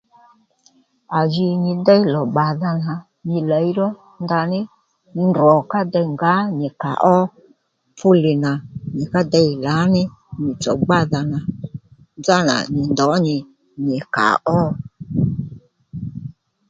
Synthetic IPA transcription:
a˨d͡ʒi˧ɲɪ˨dɛ˦i˦lɔ˨ɡ͡ba˨ða˧na˨ | ɲɪ˨la˨˦i˦ɾɔ˦ | nda˧nɪ˦ | ndɔ˨ka˦dɛ˧i˨ŋɡa˨˦ɲɪ˨ka̰˨ʔɔ˦ | fʊ˦lɪ˨na˨ɲɪ˨ka˦dɛ˧i˨la˨˦nɪ˦ɲɪ˨t͡sɔ˨ɡ͡ba˦ða˨na˨ | nd͡za˦na̰˨ɲɪ˨ndɔ˨˦ɲɪ˨ | ɲɪ˨ka̰˨ʔɔ˦

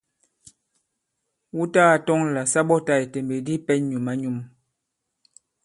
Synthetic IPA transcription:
wu˦taː˦a˨tɔ˦ŋla˨sa˦ɓɔ˦ta˦˨jte˨mbe˨di˦pɛ˦ɲu˨ma˨˦ɲu˦˨m

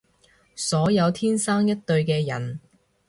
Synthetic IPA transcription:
sɔː˨˥jɐ˨˧wt̪ʰiː˥nsaː˥ŋjɐ˥t̚t̪ɵ˧ɥkɛː˧jɐ̰˨˩n

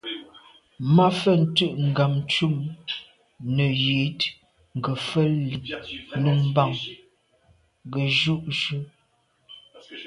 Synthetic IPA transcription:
ma˦fə˦˨n̩˨˦tə˦ʔŋ̩˨ɡa˨m˦t͡ʃu˦˨m | nə˨ji˨˦t | ŋ˨ɡə˨fə˦li˨ŋlu˦˨m˦ba˦˨ŋ | ɡə˨ʒu˦ʔʃʉ˦

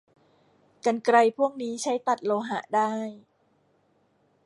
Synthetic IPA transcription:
ka˧nkɾa˧jpʰu˥˩əŋ̚niː˦˥t͡ɕʰa˦˥jt̪a˨˩t̪̚loː˧ɦa˧˩daː˥˩j

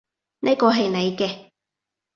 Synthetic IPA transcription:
nʔe˥kɔː˧ɦɐ˨jne˨˧jkɛː˧

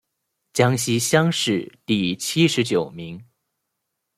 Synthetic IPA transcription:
t͡ɕjɑ˥ŋɕi˥ɕjɑ˥ŋʂɻ̩˥˩t̪i˥˧˩t͡ɕʰi˥ʂɻ̩˧˥t͡ɕjo˨˩ʊmi˧˥ŋ

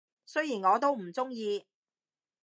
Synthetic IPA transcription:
sɵ˥jiː˨˩nŋɔː˨˧t̪̬o˥wm̩˨˩t͡sʊ˥ŋjiː˧

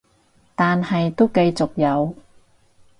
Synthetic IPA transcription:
t̪aː˨nhɐ˨jt̪o˥wkɐ˧jt͡sʊ˨k̚jɐ˨˧w

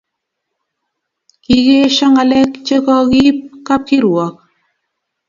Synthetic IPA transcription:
ki˨ɣe˦ʃɔ˦ŋa˨lɛ˦kt͡ʃe˦kɔ˦ɣi˦p̚ka˦p̚ki˦ɾwɔ˨k̚

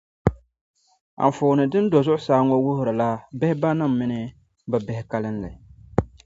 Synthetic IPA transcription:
a̰˨m˨foː˨nɨ˨dɨ˦n˦dɔ˨zʊ˦ʔʊ˦saː˦ŋɔ˦wʊ˦hʊ˨ɾa˨la˦bɛ˦hɪ˦ba˦na˦˨mː˨ɪ˦nɨ˦ | bɛ˨bɛ˦hɪ˦ka˦lɨ˦nla̰˨

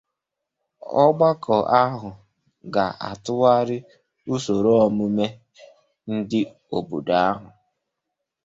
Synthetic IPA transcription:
ɔ˦ɡ͡ba˦kʰɔ˨ʔa˦ɦʊ˨ | ɡa˨ʔa̰˨tʊ˦wa˦ɾɪ˦ | u˦so˨ɾo˦ɔ˦mʊ˦me˦ | n̩˦dɪ˦ | o˨bu˨da˨a˦ɦʊ˨

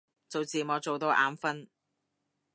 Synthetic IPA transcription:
t͡so˨˧wt͡siː˨mɔː˨˧t͡so˨wt̪o˨˧wʔaː˨˧mfɐ˥n

